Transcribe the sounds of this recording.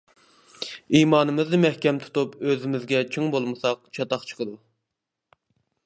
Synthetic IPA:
imɑːnɨmɨznɨmɛhkʲɛmt̪ʰu̥t̪upøzɪmɪzɡʲɛt͡ʃʰyŋbolˠmɨsɑq̚t͡ʃʰɑt̪ɑχt͡ʃʰə̥qʰəd̪u

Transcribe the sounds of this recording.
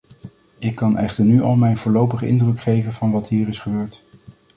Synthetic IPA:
ɪkːɑnɛχtəɹnyʔɑlˠmɛjnvʊːlowpəχəɪndrɵkχejvənvɑnʋɑtɦiːɾɪsχəbøːɹt

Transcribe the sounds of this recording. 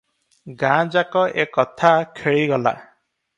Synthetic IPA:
ɡãd͡ʒakɔʔekɔt̪ʰakʰeɭiɡɔla̰

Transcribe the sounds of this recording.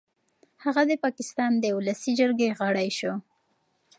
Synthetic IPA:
haɣad̪əpɑkɪst̪ɑnd̪əʊlasid͡ʒəɾɡeɣəɽajʃo

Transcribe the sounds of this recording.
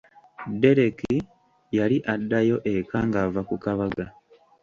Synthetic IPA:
de̞ɾe̞ki | jaliʔadːajo̞ʔe̞kaŋɡavakukaβaɡa

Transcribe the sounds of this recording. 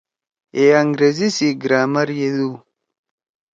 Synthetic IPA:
eaŋɡɾezisiɡɾaːmɐɾjeðu

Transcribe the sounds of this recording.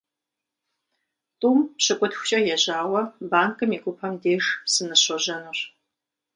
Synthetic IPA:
tʼuːmpɕɨkʷʼʊtxʷʊ̥ɕʼɐjɛʑaːwɐbaːŋkʼɨmiːɡʷʼʊpʰɐmdeːʒsɨnɨɕɔʑɐnɨr

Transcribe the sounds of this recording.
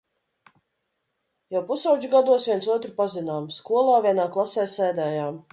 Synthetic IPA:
jawpusawd͡ʒuɡad̪uɔsvʲiɛntsuɔt̪ɾipazinaːmskuɔlˠaːvʲiɛnaːklˠasɛːsɛːd̪ɛːjaːm

